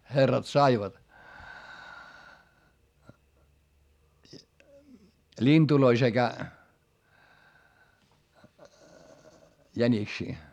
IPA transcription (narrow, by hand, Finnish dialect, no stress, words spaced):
herːɑt sɑiʋɑt lʲind̥uloi sekæ jænʲiksiː